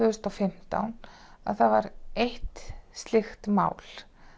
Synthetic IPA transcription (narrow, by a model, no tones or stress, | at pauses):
ʏðʏst̪ɔfɪm̥t̪a̰wn | a̰ðθaðvaɾeht̪st̪lɪxt̪ma̰ːwl̥